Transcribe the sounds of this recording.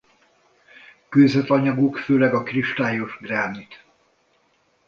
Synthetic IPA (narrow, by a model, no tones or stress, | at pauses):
køːzɛt̪ɒɲɒɡukføːlɛɡɒkriʃt̪aːjo̞ʒɡraːnit̪